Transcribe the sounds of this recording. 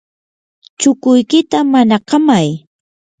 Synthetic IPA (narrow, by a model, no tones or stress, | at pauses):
t͡ʃʊkʊjkɪt̪amanaqɑmaj